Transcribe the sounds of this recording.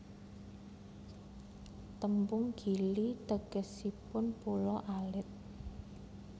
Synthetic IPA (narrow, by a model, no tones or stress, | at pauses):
t̪əmpʊŋɡ̥ilit̪əɡ̥əsipʊnpulɔʔalɪt̪̚